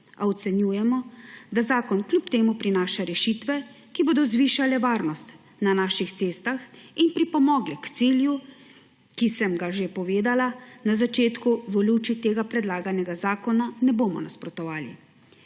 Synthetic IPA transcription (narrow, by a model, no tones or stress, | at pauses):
aɔt̪sɛnjuːjɛmɔd̪azaːkɔnklʲupt̪eːmupɾinaːʃaɾɛʃiːt̪ʋɛ | kiboːd̪ɔzʋiːʃalɛʋaːɾnɔst̪ | nanaːʃixt̪seːst̪axinpɾipɔmɔːɡlɛkt̪siːlju | kisɛmɡaʒepɔʋeːd̪alanazat͡ʃeːt̪kuʋɔlut͡ʃit̪eːɡapɾɛd̪laːɡanɛɡazaːkɔnanɛboːmɔ̰naspɾɔt̪ɔʋaːlḭ